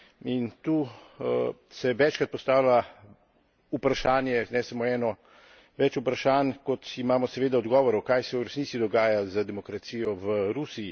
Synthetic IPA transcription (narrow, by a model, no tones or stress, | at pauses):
int̪uː | sɛʋɛt͡ʃkɾat̪pɔst̪aːwlaa | upɾaʃaːnjɛnɛsamoɛːnɔ | ʋɛt͡ʃupɾaʃaːnkɔt̪imaːmɔsɛʋeːd̪aɔd̪ɡɔːʋɔɾɔwkajsɛwɾɛsnisid̪ɔɡaːjazəd̪ɛmɔkɾat̪siːjɔʋəɾusii